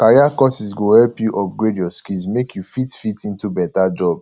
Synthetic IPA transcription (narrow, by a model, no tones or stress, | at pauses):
kaɹiakɔsisɡohɛlpjuʔɔp̚ɡɹediɔskilsmekʰjufitfitĩntubɛtad͡ʒɔb